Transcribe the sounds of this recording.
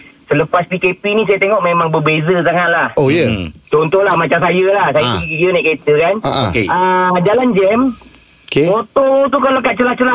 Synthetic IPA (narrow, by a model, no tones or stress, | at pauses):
sələpaspikepinis̬ajat̪eŋɔʔmemaŋbəbezəsaŋaʔ̪̚lahojət͡ʃɔnt̪ɔhlahmat͡ʃamsajəlahsajat̪iɡiɡonaʔket̪əkanaʔkeəd͡ʒaland͡ʒɛm | okeot̪ot̪ukalokaʔ̪̚t͡ʃəlat͡ʃəla